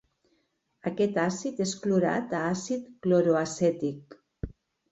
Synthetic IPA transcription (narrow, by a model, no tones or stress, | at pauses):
ake̞t̪aːsit̪eskloɾa̰t̪aːsit̪klo̞ɾoaset̪ik̚